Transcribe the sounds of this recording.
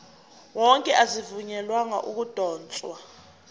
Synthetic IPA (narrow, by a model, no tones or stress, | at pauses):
wɔŋkʼɛʔazivuɲɛlwaŋa̰ʔuk̬ud̥ʱɔːnt͡sʼwa